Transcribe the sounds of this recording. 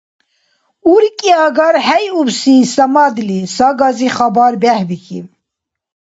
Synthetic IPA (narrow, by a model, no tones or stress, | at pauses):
uɾikʼiɑɡɑɾhɛjubsisɐmɑd̪lisɑɡɑziχɑbɑɾbɛhbikʰḭv